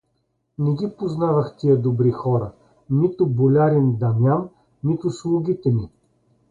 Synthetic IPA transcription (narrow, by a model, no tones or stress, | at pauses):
nɛɡʲipoznavɐxt̪ʲiəd̪obɾixɔɾɐ | nit̪ʊbolʲaɾind̪ɐmjanː | it̪ʊslˠuɡʲit̪ɛmi